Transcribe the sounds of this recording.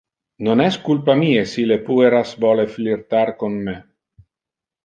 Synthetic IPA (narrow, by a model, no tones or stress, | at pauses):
nonɛskulpamiːesilepueɾasvɔleflirt̪aɾkonme